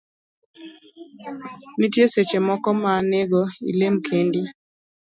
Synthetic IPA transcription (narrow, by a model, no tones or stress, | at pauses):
nitjeset͡ʃemɔkɔmaneɡɔḭlemkʰendi